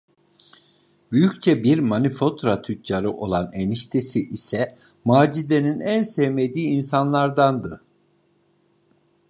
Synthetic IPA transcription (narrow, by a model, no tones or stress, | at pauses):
byjyc̚ʲt͡ʃʰɛbiɾmanifo̞t̪ɾat̪ʰyt̪ʰt͡ʃaɾɯʔo̞lˠaneniʃt̪ʰesiʔisɛ | maːd͡ʒid̪e̞ninænsemed̪iːinsanlˠaɾd̪and̪ɯ